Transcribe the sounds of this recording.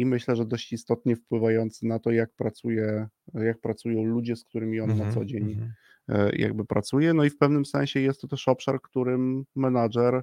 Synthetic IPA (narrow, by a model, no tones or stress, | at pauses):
imɘɕlɛʐɛd̪ɔɕt͡ɕist̪ɔt̪ɲɛfpwɘvajɔnt̪sɘnat̪ɔjak̚pɾat̪sujɛjak̚pɾat̪sujɔ̃w̃lud͡ʑɛskt̪uɾɘmʲiɔnːat̪sɔd͡ʑeɲ̰ | jʔa̰ɡ̚bɘpɾat̪sujɛnɔifpɛvnɘmsɛ̰̃ɕɛjɛst̪ːɔt̪ɛʂɔpʂaɾkt̪uɾɘmːɛnaʐɛɾ